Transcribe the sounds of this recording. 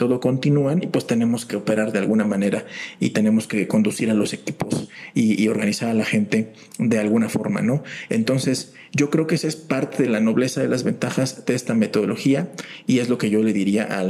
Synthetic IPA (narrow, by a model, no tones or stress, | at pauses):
t̪o̞ðo̞ko̞nt̪inuanipwe̞st̪e̞ne̞mo̞ske̞ope̞ɾaɾðe̞alɣunamãne̞ɾaḭt̪e̞ne̞mo̞ske̞ko̞nd̪usiɾalo̞se̞kipo̞sio̞ɾɣanisaɾalaxe̞nt̪e̞ | ðe̞alɣunafo̞ɾma̰no̞e̞̰nt̪o̞nse̞s | ɟ͡ʝo̞kɾe̞okesespaɾt̪e̞ðe̞lano̞βle̞saðe̞lazβe̞nt̪axazðeest̪ame̞t̪o̞ð̞o̞lo̞xiaie̞zlo̞ke̞ʝo̞le̞ðiɾiaʔa